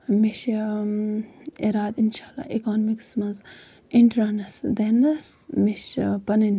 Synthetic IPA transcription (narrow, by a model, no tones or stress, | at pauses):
miʃ | iɾaːd̪inʃaːlːa̰ːikaːnmiksmɐnz | iɳʈɾaːnɐsd̪enɐs | miʃpɐnin